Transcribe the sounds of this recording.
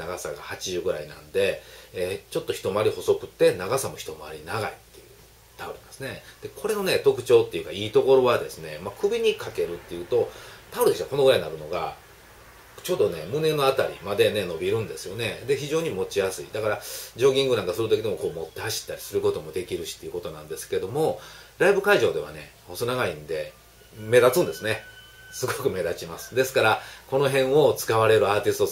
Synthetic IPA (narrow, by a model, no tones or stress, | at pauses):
naɡasaɡa̰hat͡ɕiʑɨːɡɯ̟ɾa̰inã̰nd̪e̞et͡ɕo̞t̪ːo̞çi̥t̪o̞maaɾʲiho̞so̞kɯ̟t̪ːe̞naɡasamo̞çʲi̥t̪o̞maaɾʲinaɡa̰it̪ːe̞jɯ̟ | t̪aɯɾɯnansɨne̞d̪̥e̞ko̞ɾe̞no̞ne̞t̪o̞kɯ̟̥t͡ɕo̞ːt̪ːe̞iɯ̟kaiːt̪o̞ko̞ɾo̞βad̪e̞sɨne̞makɯ̟bʲiɲ̟ikake̞ɾɯ̟t̪ːe̞jɯ̟ːt̪o̞t̪aɯ̟ɾɯeɕt̪ako̞no̞ɡɯ̟ɾaiɲinaɾɯ̟no̞ɡa | t͡ɕo̞ːd̪o̞ne̞mɯ̟ne̞no̞at̪aɾʲḭmad̪e̞ne̞no̞bʲiɾɯ̟̃nd̪e̞sɨjo̞ne̞d̪e̞çiʑo̞ːɲ̟imo̞t͡ɕijasɨḭd̪akaɾad͡ʑo̞ːɡʲĩŋɡɯnãŋkasɨɾɯt̪o̞kʲid̪emoko̞ːmo̞t̪ːe̞haɕi̥t̪ːaɾʲisɨɾɯ̟ko̞t̪o̞mod̪e̞kʲiɾɯ̟ɕi̥t̪ːeiɯ̟kot̪o̞nã̰nd̪e̞sɨ̥ke̞d̪o̞mo̞ɾaibɯ̟kaiʑo̞ːd̪e̞βa̰ne̞̰ | osonaɡaĩnd̪e̞ | me̞d̪at͡sɨ̃nd̪e̞sɨne̞sɨɡo̞kɯ̟me̞d̪at͡ɕimasɨ̥d̪e̞sɨ̥kaɾako̞no̞ɦẽ̞ɰ̃o̞t͡sɨ̥kaβaɾe̞ɾɯ̟aːt̪ʲisɨ̥t̪o